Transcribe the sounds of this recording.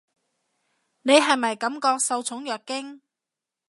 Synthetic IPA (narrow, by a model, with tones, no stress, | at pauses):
ne˨˧jɦɐ˨jmɐ˨jkɐ˨˥mkɔː˧k̚sɐ˧wt͡sʰʊ˨˥ŋjœː˨k̚kːɪ˥ŋ